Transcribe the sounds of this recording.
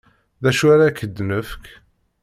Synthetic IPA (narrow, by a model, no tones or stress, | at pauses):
ðæʃwæɾakːəd̪nəfk